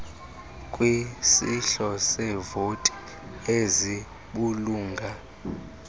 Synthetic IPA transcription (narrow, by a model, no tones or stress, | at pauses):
kʼwisiɬɔsɛvotʼi̥ | ezi | ɓuluːŋɡʱa